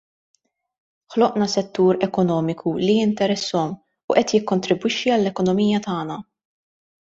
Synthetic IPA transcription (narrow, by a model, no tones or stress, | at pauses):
ħlɔʔnɐsɛt̪ːuːɾɛkɔnɔːmɪkʰulijɪnt̪ɛɾɛsːɔm | uʔɛt̪jɪkːɔnt̪ɾɪbwɪʃːiɐlːɛkɔnɔmiːjɐt̪ɐːnɐ